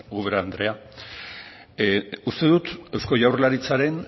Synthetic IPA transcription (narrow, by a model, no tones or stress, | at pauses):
uβeɾand̪ɾe̞a | ust̪e̞ðut̪ewsko̞ʝawrlaɾit͡saɾe̞n